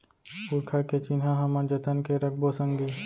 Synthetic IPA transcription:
puɾkʰaket͡ʃinɦãɦɐmə̃d͡ʒət̪ənkeɾək̚ʰbosə̃ŋɡiː

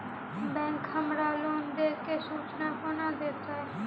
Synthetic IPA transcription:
bɛ̃ːŋkhəmɾaːlond̪eːkesuːt͡ʃnakonad̪eːt̪aɦɛː

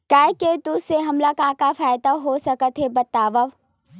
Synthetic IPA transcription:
kaːjket̪ʊseɦɐmlakãːkafaːjd̪aɦosɐkət̪ɦebɐt̪aːʋəʋ

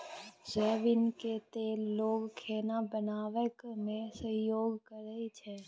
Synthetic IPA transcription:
zɛːʋɪnket̪eːloːɡkʰeːnabənaːʋəkmẽsəɦjoːɡkəɾəit͡ʃʰɛː

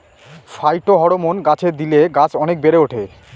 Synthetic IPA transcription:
fajʈoɦɔɽomonɡat͡ɕʰeɾd̪ileɡat͡ɕʰɔnek̚beɾeoʈʰe

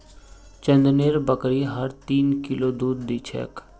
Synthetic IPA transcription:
t͡ʃə̃nd̪neːɾbəkɾiɦəɾt̪iːnkɪlod̪uːd̪ːiːt͡ʃʰɛ̰ːk

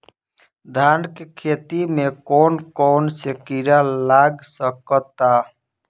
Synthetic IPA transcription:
d̪ʱankekʰet̪imekonkɔnsekiɾalaɡsəkət̪a

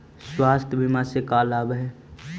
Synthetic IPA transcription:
swaːst̪ʰbʱimãsekaːlaːbɦɛː

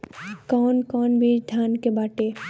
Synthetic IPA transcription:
kɔːnkɔːnbʱiːɾd̪ʱjaːnkebaːʈeː

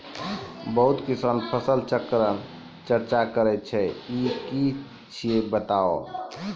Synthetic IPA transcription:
bəɦut̪kisənpʰəsəlt͡ʃəkɾən | t͡ʃəɾt͡ʃakəɾɛt̪̚t͡ʃʰɛiki | t͡ʃʰiebət̪ao̰

